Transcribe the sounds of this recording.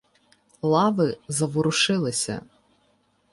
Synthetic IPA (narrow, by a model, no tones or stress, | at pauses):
lˠɑʋɪzɐʋʊɾʊʃɪlˠɪsʲɐ̰